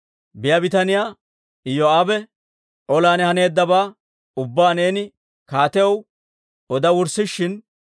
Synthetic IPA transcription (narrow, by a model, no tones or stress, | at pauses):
bɪjɐbɪt̪ɐnɪjaː | ɪjɔaːbɛ | ʔɔlaːnɛhɐne̞ːd̪ːɐbaː | ʊbːaːneːnɪ | kaːt̪ɛjɛw | ɔd̪ɐwʊɾsːɪʃːɪn